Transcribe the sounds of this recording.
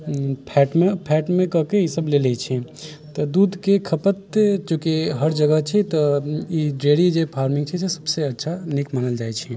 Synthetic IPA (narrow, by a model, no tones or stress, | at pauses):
pʰɛːʈmẽpʰɛːʈmẽkəɦkejisəblelet͡ʃʰɛ | t̪ɔd̪uːd̪ʱkekʰɐpət̪t͡ʃõːkiɦəɾd͡ʒəɡəɦt͡ʃʰɛt̪ɔjeɖɾeːɽid͡ʒepʰaːɾmɪ̃ŋɡt͡ʃʰɛsesɐbseɐtːʃʰanɪkmaːnəld͡ʒaːɛt͡ʃʰɛ